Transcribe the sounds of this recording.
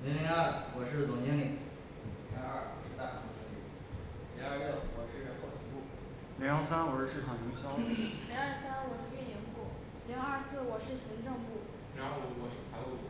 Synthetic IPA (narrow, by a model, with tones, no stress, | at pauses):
ni˧˥ŋli˧˥a˥˩wɔ˨˩ʂɻ̩˥˩t͡sʊ˨˩ŋt͡ɕɛ˥ŋli˨˩ŋ | ljɛ˧˥a˞˥˧˩wɔ˨˩ʂɻ̩˥˧t̪a˥˩t͡ɕʰa˧˥˧t͡ɕʰɛ˧˥lḭ˨˧˩ | li˧˥a˞˥˧jɛ˥˩wɔ˨˩ʂɻ̩˥˩˧ə˥kʰɑ˥˩ʊt͡ɕʰi˧˥ŋpu˥˩ | ljŋ˥sa˥nwɔ˨˩˥ʂɻ̩ʰ˥˩ɑ˨˩ŋi˧˥ŋɕjɑ˥ʊli˧˥a˞˥˧sa˥n˥wɔ˨˩ʂɻ̩˥˩pjɛ˥˩njɛ˧˥npu˥˩ | li˧˥ŋɐ˞˥˧sɹ̩˥˩wɔ˨˩ʂɻ̩˥˩ɕi˧˥ŋʈ͡ʂɤ˥˧ŋpu˥˩ | lja˧˥ŋ˥u˧˥˩wɔ˨˩ʂɻ̩˥˩t͡sʰa˧˥ɪu˥˧˩